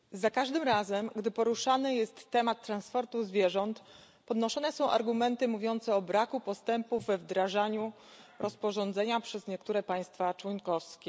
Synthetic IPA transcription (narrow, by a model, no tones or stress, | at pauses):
zakaʐd̪ɘmɾazɛmɡd̪ɘpɔɾuʂanɘjɛst̪ːɛmat̪ːɾanspɔɾt̪uzvʲjɛʐɔnt̪ | pɔd̪nɔʂɔnɛsɔ̃w̃ʔa̰ɾɡumɛnt̪ɘmuvʲjɔnt̪sɛɔbɾakupɔst̪ɛmpuvːɛvd̪ɾaʐaɲu | ɾʔɔspɔʐɔnd̪zɛɲapʂɛzɲɛkt̪uɾɛpaj̃st̪fat͡ʂwɔnkɔfskʲɛ